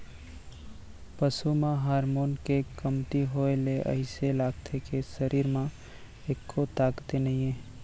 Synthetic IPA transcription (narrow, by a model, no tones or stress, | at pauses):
pəsumãɦaːɾmoːnkekəmt̪iɦoeleʔə̰ɪselaːɡt̪ʰekesəɾiːɾmã | eːkʰːot̪aːɡt̪enəĩẽː